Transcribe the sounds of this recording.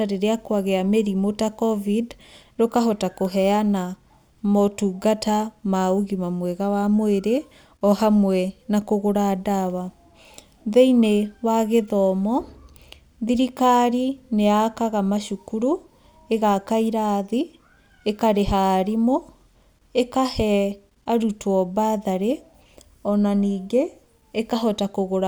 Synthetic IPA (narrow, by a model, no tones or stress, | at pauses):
aɾeɾeakwaɣeameɾimotakɔvid | ɾokaɦɔtakoɦɛana | mɔtuɡatamauɣimamwɛɣawamweɾe | ɔhamwɛnakoɣoɾadawa | ðeinewaɣeðɔmɔ | ðiɾikaɾineakaɣamaʃukuɾu | eɣakaiɾaːði | ekaɾeɦaɾimo | ekahɛ | aɾutwɔbaðaɾe | ɔnaniːɡeː | kaɦɔtakoɣoɾa